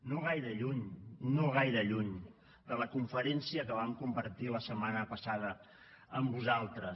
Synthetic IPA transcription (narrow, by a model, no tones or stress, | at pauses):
noɣ̞ajɾəʎuɲnoɣ̞ajɾəʎuɲ | d̪ələkuɱfəɾɛnsiəkəβ̞amkumbəɾt̪iləsəmanəpəsaðə | əmbuzalˠt̪ɾə